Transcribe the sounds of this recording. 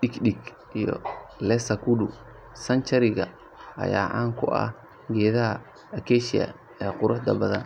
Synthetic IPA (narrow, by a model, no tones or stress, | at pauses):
ɗɪɡɗɪɡ | ʔijɔ̰lɛsɐkʰudʊ | sɐnt͡ʃɐɾɪɣɐ | ʔɐ̰jaːʔaːŋkʰʊʔɐ̰h | ɡɛːðɐɦɐ | ɐkʰɛʃɪɐ̰ | ɛːqʊɾʊħd̪ɐbɐðɐ̰n